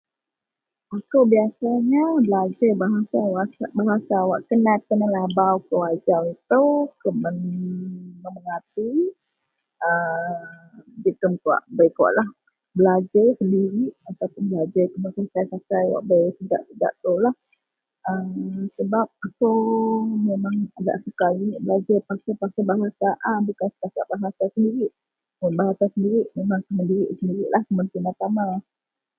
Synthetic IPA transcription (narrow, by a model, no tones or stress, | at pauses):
akowbiasaɲabəlad͡ʒəbaɦasawasabaɦasawa̰ʔkənakənalabawkəwad͡ʒawit̪ukəmən | məməŋat̪i | ə | d͡ʒit̪əmkwa̰ʔbəjkaa̰ʔlah | bəlad͡ʒəsəndiɾiʔat̪awpʊnbəlad͡ʒakəməsakajsakajwa̰ʔbajsəda̰ʔsəd͡ʒa̰ʔt̪olah | əmsəbap̚akawmemãŋaɡa̰ʔsukajiʔbəlad͡ʒapaksapak̚sabaɦasaʔabukansə̥kakaʔbaɦasasəndiɾiʔ | mʊnbaɦasasəndiɾiʔmemãŋkaməndiɾiʔsəndiɾiʔlahkəmənt̪iənat̪ama